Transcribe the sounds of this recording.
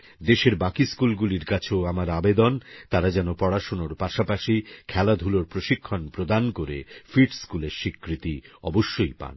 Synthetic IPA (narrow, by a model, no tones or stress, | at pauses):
d̪eʃeɾbakiskulɡuliɾkat͡ɕʰeamaɾabed̪ont̪aɾad͡ʑɛnopɔɽaʃonoɾpaʃapaʃikʰɛlad̪ʱuloɾpɾoʃikʰːonpɾod̪ankoɾḛfiɖskuleɾʃikːɾit̪iɔ̰boʃːojpa̰n